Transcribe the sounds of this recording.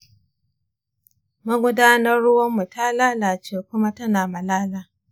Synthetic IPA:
mɐ˦ɡʷʊ˦daː˦nɐ˦rɽʊ˦wɐ˦mːu˨ta˦laː˦laː˨t͡ʃeː˦kʷʊ˦ma˦tɐ˦naː˨mɐ˨laː˦laː˨

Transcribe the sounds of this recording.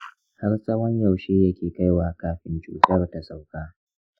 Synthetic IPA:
hɐ˦rsʼɐ˦wɐ˦ɲja˨wʃeː˦jɐ˦kʲeː˨ka˦jwaː˨kaː˦ɸɪ˦nt͡ʃṵː˦tɐ˦˨rta˨sʼa˨wkaː˦

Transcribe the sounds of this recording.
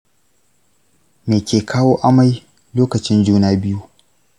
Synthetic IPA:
meː˨kʲeː˨kʰaː˦woː˦ʔa˦ma˨j | loː˦kɐ˨t͡ʃɪ˦nd͡ʒuː˦naː˦bɪ˦ju˦

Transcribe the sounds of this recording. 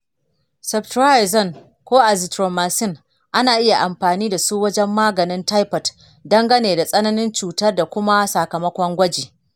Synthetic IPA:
sɐ˨btɾa˦ɪ˨zɔ˦˨n | kʷoː˦ʔa˨zɪ˨tɾoː˨maː˨sɪ˦˨ŋ | ʔa˦naː˨ʔɪ˦ja˨ʔa˨mɸaː˨niː˦da˨suː˦wɐ˦d͡ʒɛ˦mːaː˦ɡɐ˨nɪ˦nta˦jpɐ˨t | dɐ˦ŋɡɐ˦neː˨da˨sʼɐ˦nɐ˦nɪ˦nt͡ʃuː˨tɐ˦rda˨kʷʊ˦ma˦sa˨kɐ˨mɐ˦kʷɔ˦ŋɡʷɐ˦d͡ʒiː˨

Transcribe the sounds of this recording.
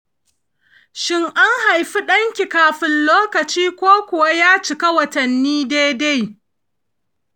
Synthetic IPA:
ʃɪ˦ŋʔa˦ŋha˨jɸi˦ɗɐ˦ŋkʲi˨kaː˨ɸɪ˨nloː˦kɐ˨t͡ʃiː˦kʷoː˦kʷʊ˨wa˦jaː˦t͡ʃɪ˨ka˦wɐ˨tɐ˨nːiː˦deː˦da˦j

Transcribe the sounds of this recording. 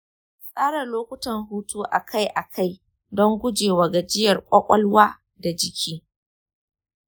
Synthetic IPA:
sʼaː˦ɽɐ˨loː˦kʷʊ˦tɐ˨ŋɦuː˦tʰuː˦ʔa˨kʰa˦jʔa˨kʰa˦j | dɔ˦ŋɡʷʊ˦d͡ʒeː˨waː˨ɡa˨d͡ʒɪ˦jɐ˨rkʷʼɐ˦kʷʼɐ˦lwaː˦ | da˨d͡ʒɪ˨kʲʰiː˦

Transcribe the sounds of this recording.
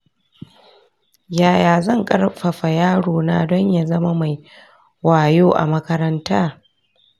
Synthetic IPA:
jaː˨jaː˨zɐ˦˨ŋkʼɐ˦rɸɐ˨ɸa˨jaː˦ɽoː˨naː˦dɔ˦ɲja˨zɐ˦ma˦ma˨j | waː˨joː˦ʔa̰˨mɐ˦kɐ˦ɾɐ˦ntaː˦

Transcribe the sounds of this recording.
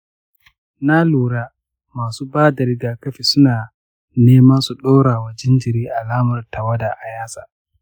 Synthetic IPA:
na˦luː˨ɽaː˦ | maː˨suː˦baː˦da˨ɾɪ˦ɡaː˨kɐ˦ɸiː˨sʊ˦naː˨ | neː˦ma˦su˨ɗoː˦ɽaː˨wɐ˨d͡ʒɛ˦nd͡ʒɪ˨ɾiː˦ʔa˨laː˦mɐ˨rta˨wɐ˦da˨ʔa˨jaː˦saː˨

